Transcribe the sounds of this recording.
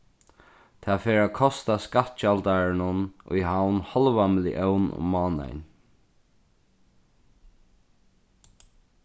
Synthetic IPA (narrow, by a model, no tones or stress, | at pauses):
t̪ʰaːfeːɾakʰɔst̪askat̪t͡ʃalt̪aɹɪnʊnʊ̰jɦawnhɔlʋamɪlɪ̰ʔœwnʊ̰maːnɛ̰n